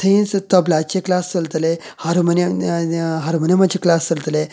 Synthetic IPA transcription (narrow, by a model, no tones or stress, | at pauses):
t̪ʰəinst̪əblat͡ɕeklast͡səlt̪le | haɾuməne | ɦaɾumənemad͡ʑʰeklast͡səlt̪le